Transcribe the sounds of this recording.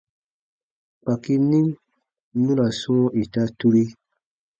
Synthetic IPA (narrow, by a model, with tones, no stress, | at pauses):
k͡pa˨ki˦ni˦ŋ | nu˦la˨sũ˦o˦ʔi˨ta˦tu˦ɾi˦